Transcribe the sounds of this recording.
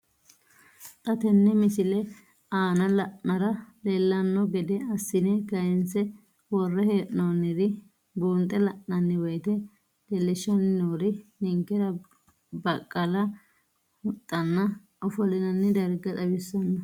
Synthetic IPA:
t̪ʼɐt̪ɛnːɛmɪsɪlɛ | aːnɐlɐʔnɐɾɐlelːɐnːɔɡɛd̪ɛɐsːɪnɛkɐjɪnsɛ | wɔrːɛheːʔnoːnːɪɾɪ | buːnt̪ʼːɛlɐʔnɐnːɪwɔjt̪ɛ | lɛlːɪʃːɐnːɪnoːɾɪnɪŋkːɛɾɐ | bɐkʼːɐlɐ | mʊt̪ʼːɐnːɐ | ʔɔfɔlɪnɐnːɪd̪ɐɾɡɐt̪ʼɐbɪsːɐnːɐ

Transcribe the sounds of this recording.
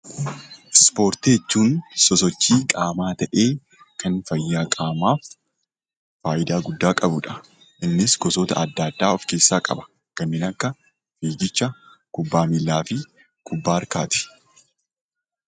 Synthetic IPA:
spo̞ːɾt̪ɪjɛt͡ʃːuːnsɔsɔt͡ʃːiːkʼaːmaːt̪ɐʔe̞ː | kʰɐnfɐjːaːkʼaːmaːf | faːʔɪd̪aːɡʊd̪ːaːkʼɐbʊᶑɐ̥ | ʔɪnːɪsɡɔsot̪ɐɐd̪ːad̪ːaːɔfke̞ːsːaːkʼɐ̰bɐ̥ | kɐnːɪnɐkːɐ | fiːd͡ʒɪt͡ʃːɐ | kʊbːaːmilːaːfɪ | kʰʊbːaːɐɾkaːt̪ɪ̥

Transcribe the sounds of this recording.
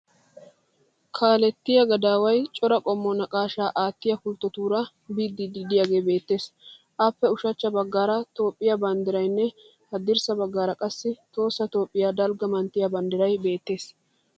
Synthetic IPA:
kʰaːlɛt̪ːɪjɐɡɐd̪aːwɐjt͡ʃʼɔɾɐkʼɔmːɔnɐkʼaːʃaːʔaːt̪ːɪjɐkʊlt̪ːɔt̪uːɾɐ | biːd̪ːid̪id̪ɪjaɡe̞ːbe̞ːt̪ːe̞ːs | ʔapːɛʊʃɐt͡ʃːɐbɐɡːaːɾɐt̪o̞ːpʼːɪjɐbɐnd̪ɪɾɐjnːɛ | hɐd̪ɪɾsɐbɐɡːaːɾɐkʼɐsːɪt̪o̞ːsːɐt̪o̞ːpʼːɪjaːd̪ɐlɡɐmɐnt̪ːɪjɐbɐnd̪ɪɾɐjbe̞ːt̪ːe̞ːs

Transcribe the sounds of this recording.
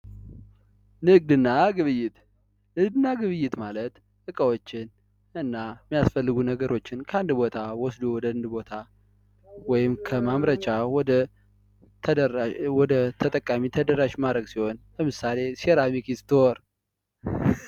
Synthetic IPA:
nɨɡd̪ɨnːaɡɨβɨjːɪt̪ | nɨɡd̪ɨnːaɡɨβɨjːɪt̪malət̪ | ɨkʼəwot͡ʃːɪn | ɨnːamːijasfəlːɨɡunəɡəɾo̞t͡ʃːɪnkʰəand̪bo̞t̪ʰawɔsd̪uwɔd̪əɨnd̪ɨbo̞t̪ʰa | wɔjɪmkʰəmamɾət͡ʃʼawɔd̪ə | wɔd̪ət̪ʰət̪ʼəkʼːamit̪ʰəd̪əɾaʃmad̪ɾəɡsiho̞nləmɨsale̞seɾamikist̪ʰɨɔɾ

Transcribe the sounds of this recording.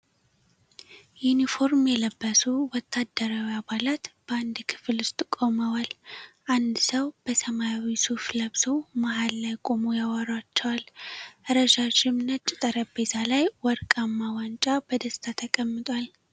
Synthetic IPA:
junifo̞ɾmjɛləbːəsuwɔt̪ʰːad̪ːəɾawiabalat̪b̥əand̪kʰɨ̥flʊst̪ʼkʼo̞məwalʔand̪səwb̥əsəmajawisufləβsowmaɦalːajkʼo̞mojawaɾwat͡ʃːɛwalʔɨɾəʃat͡ʃɪmnət̪t͡ʃʼːɪt̪ʼəɾəbe̞t̪ʰalajwɔɾkʼamːawant͡ʃʼabəd̪əst̪ʰat̪ʰəkʼəmːɨt̪ʼwal

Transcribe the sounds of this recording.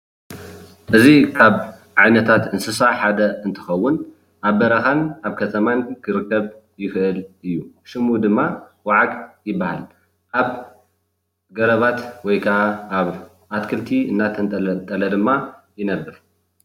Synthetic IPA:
ʔɨzikʰaβ | ʕajnɐt̪ʰat̪ɨnsɨsaħad̪ɐɨnt̪ʰɨ̥xɐwːʊn | ʔaβbɐɾɐxanʔaβkʰɐt̪ʰɐmankʰɨɾɨkʰːɐβ | jɪxɨʔɨlʔɨjːuʃɨmud̪ɨmːawaʕakʼjɪbːahal | ʔaβ | ɡɐɾɐβat̪wɔjkʰɐʔaaβ | ʔat̪kʰɨlt̪ʰiɨnːat̪ʰɐnʼt̪ʼɐlɐd̪ɨmːa | jɪnɐbːɨɾ

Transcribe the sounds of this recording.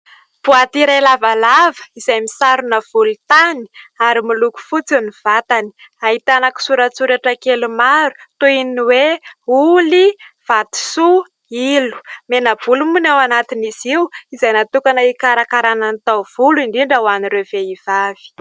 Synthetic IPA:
b̥uat̪iɾalavalavə̥izajmisaɾunəv̥ulut̪ani̥aɾimiluku̥fut͡siniv̥at̪ani̥ | aɦit̪anaki̥suɾət͡suɾaʈ͡ʂəkelumaɾu̥t̪oininiweuliv̥at̪i̥su | ilu̥menəvulumunawanat̪iniziwizajnat̪ukanaikaɾakaɾananit̪awv̥uluiɳɖ͡ʐiɳɖ͡ʐawaniɾev̥eiv̥av̥i̥

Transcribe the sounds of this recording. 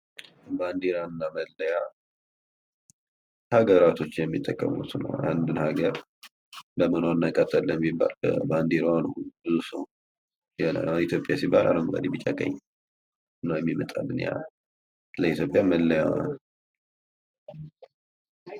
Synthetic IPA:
band̪iɾaɨnːaməlːəja | haɡəɾat̪ʰo̞t͡ʃːɪjɛmːit̪ʼːəkʼːə̰mṵt̪nə̰wand̪ɨnhaɡəɾ | bəmənoɨnːajkʼət̪ʰːəlːəmibːa̰lbə̰band̪eɾanubɨzusə | əla̰anit̪jo̞pʼːjasibːalʔa̰ɾəŋɡa̰d̪ibɨt͡ʃʼakʼə̰ɲː | nːəwjɛmːimət̪ʼalːɨnja̰ | ləit̪ʰjo̞pʼjaməlːəja

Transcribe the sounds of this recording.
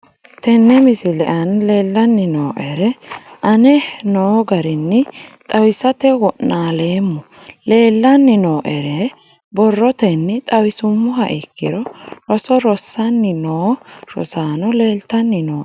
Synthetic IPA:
t̪ɛnːɛmɪsɪlɛʔɐnle̞ːlːɐnːɪnoːʔɛɾɛʔɐnɛnoːɡɐɾɪnːɪt̪ʼɐwɪsɐt̪ɛwɔnnaːle̞ːmːʊ | le̞ːlːɐnːɪnoːʔɛɾɛ | bɔrːɔt̪ɛnːɪt̪ʼɐwɪsʊmːʊhɐʔɪkːɪɾɔɾɔsɔɾɔsːɐnːɪnoːɾɔ̰saːnɔleːlt̪ɐnːɪnoːʔ

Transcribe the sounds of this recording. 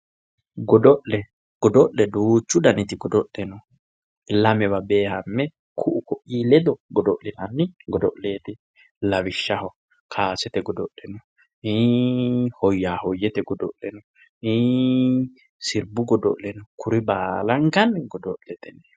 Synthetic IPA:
ɡɔd̪ɔʔlɛ | ɡ̥ɔd̪ɔʔlɛd̪uːt͡ʃːʊd̪ɐnɪt̪ɪɡɔd̪ɔʔɛnɔ | lɐmɛbɐbeːhɐmːɛ | kʰʊʔʊkɔʔiːlɛd̪ɔɡɔd̪ɔʔlɪnɐnːɪɡɔd̪ɔ̰ʔleːt̪ɪ | lɐwɪʃːɐhɔ | kʰaːsɛt̪ɛɡɔd̪ɔʔɛnɔ | i | hɔjːaːhɔjːɛt̪ɛɡɔd̪ɔʔlɛnɔ | i | sɪɾbʊɡɔd̪ɔ̰ʔlɛnɔkʰʊɾɪbaːlɐŋɡɐnɡɔd̪ɔʔlɛt̪ɛnɛ

